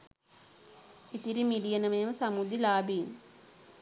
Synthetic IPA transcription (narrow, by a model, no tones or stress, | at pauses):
it̪iɾimiɖijənəmeməsamud̪ilaːbiːn